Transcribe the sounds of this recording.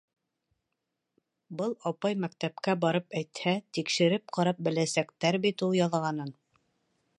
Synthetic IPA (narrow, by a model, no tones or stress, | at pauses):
bɤlˠɑpɑjmækt̪æpkæbɑɾɤpæjt̪hæt̪ikʃɘ̆ɾɘp̚qɑɾɑp̚bɘ̆læsækt̪æɾbit̪ulˠjɑlˠʁɑnɤn